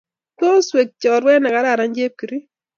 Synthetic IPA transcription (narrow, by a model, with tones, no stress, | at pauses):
to˦swe˨k̚t͡ʃɔ˨ɾwɛ˦nɛ˨ka˦ɾa˦˨ɾa˨ɲd͡ʒe˦p̚ki˨ɾi˦